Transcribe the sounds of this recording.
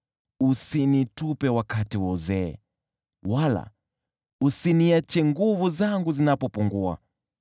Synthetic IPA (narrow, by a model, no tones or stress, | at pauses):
usinitupɛwakatiwɔuzɛ̰ː | wala̰ | usiniat͡ʃɛŋɡuvuzaŋɡuzinapɔpuŋɡua̰